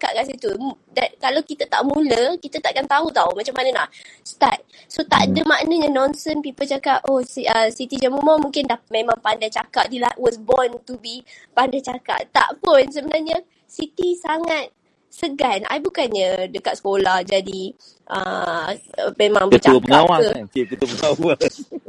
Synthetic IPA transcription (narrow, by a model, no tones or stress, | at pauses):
kaʔkansit̪udakalawkit̪at̪a̰ʔmuləkit̪at̪aʔkant̪aut̪aumat͡ʃamːanəna̰ʔst̪a̰t̪̚ | sot̪a̰ʔdəmaʔnəɲanɔ̃nsənpipəlt͡ʃakaʔosəsit̪id͡ʒamumamũŋkɪndahmemãŋpandajt͡ʃa̰kaʔ̚dilaʔwɔsbɔnt̪ubipandajt͡ʃaka̰ʔt̪a̰ʔpʊns̬əbənarɲə | sit̪isaŋat̪̚ | səɡana̰jbukanɲadəkat̪sə̥kolahd͡ʒadi | ʔə̰ | memãŋbəət͡ʃakəaawaəkət̪uəpəŋaa